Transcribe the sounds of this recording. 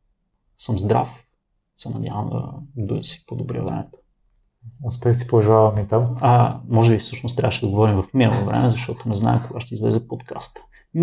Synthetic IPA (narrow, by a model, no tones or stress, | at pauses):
sɤmzd̪ɾa̰f | sɛnɐd̪ʲa̰vəmd̪ə̰d̪usi̥pod̪obɾiəvɾɛ̰mɛt̪o̥ | ospɛxt̪i̥poʒavɐmit̪aməmɔʒɛbifsɤʃnost̪ɾʲa̰vəʃɛd̪ɐɡovɔɾimvɐfminəlˠovɾɛ̰mɛzɐʃt̪ɔt̪ʊnɛzna̰ɛkoɡaʃt̪ɛizlɛ̰zɛpot̪kʰa̰st̪